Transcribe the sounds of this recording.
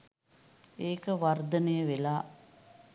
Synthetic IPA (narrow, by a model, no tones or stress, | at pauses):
eːkəʋard̪ənəjəʋelaː